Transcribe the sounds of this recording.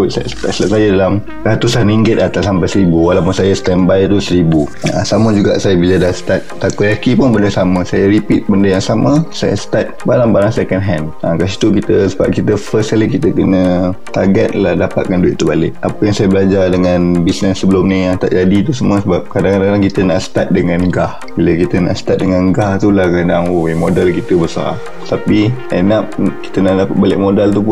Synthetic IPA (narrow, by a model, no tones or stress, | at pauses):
uʔsa̰sə̥t̪a̰ʔsəap̚sajadalam | rat̪usanɾiŋɡɪt̪̚at̪ashampajsəɾibuwalawpʊnsajast̪ɛnbajt̪usəɾibuasamə̃d͡ʒuɡa̰ʔsajabilədasə̥t̪at̪̚t̪apəakipʊnbəndəsamə̃sajaɾipit̪̚bəndəjaŋsamə̃sa̰ja̰sə̥t̪at̪̚baɾaŋbaɾaŋsekənɦɛnakas̬i̥t̪ukit̪əsəba̰p̚kit̪əfəskalikit̪əkənə̃t̪aɡət̪̚lahdapat̪̚kanduɪ̰ʔ̚t̪ːubalɪʔapəjaŋsajabəlad͡ʒadəŋanbisnəsːəbəlʊmnĩjaŋt̪a̰ʔd͡ʒadit̪usəməsəbap̚kadaŋkadaŋalaŋkit̪əna̰ʔsə̥t̪at̪̚dəŋãnɡah | biləkit̪əna̰ʔsə̥t̪at̪̚dəŋãnɡaht̪ulahkədaŋwwemodalkit̪əbəsa̰r | t̪apia̰nap̚ki̥t̪ənaʔdapat̪̚balɪʔ̚modalt̪̬up̬ʊ